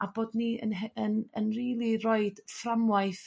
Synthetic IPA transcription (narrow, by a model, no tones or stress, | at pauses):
aboːdniə̰nɛənənriːlˠirɔɨd̥framwajθ